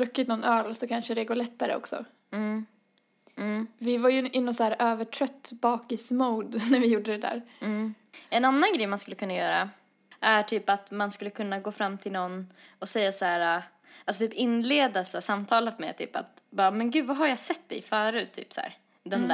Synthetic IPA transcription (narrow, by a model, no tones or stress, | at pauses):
ɾɵkːɪt̪nɔnœːlsɔkʰanʂəd̪ɛɡoːɭɛt̪ːaɾə̰ɔ̰ksɔ̰ | vɪvaɾjɵʔɪnɔt̪sæːɾøːvəʈʰɾœt̪ːbɑːkɪsmuːd̪næɾvɪjuːɖːəd̪ɛd̪æ̰ːɾ̩ | ɛnanːanɡɾɛjmanskɵlːəkɵnːajœːɾa̰ | ʔæʈʰyːpat̪manskɵlːəkʰɵnːaɡoːfɾamːt̪ʰɪlnɔnːɔsɛjːasæːɾa | alsɔt̪ʰyːpɪnːleːd̪asæːsamːt̪ʰɑːlafmɛ̰t̪ʰy̰ːpa̰t̪bɑːmɛnɡʉ̟ːd̪vaɦaɾjasɛt̪ːd̪ɛ̰jfœːɾʉ̟ːt̪ʰːy̰ːpsæ̰ːɾ | d̪ɛnd̪æ